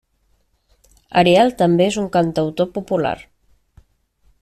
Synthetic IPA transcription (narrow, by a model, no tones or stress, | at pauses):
a̰ɾealt̪ambeezuŋkant̪awt̪opupula̰ɾ